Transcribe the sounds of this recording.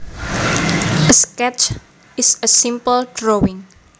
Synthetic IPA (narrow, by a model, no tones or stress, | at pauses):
əskɛt͡ʃ | ɪsəsĩmpəldɾowɪ̃ŋ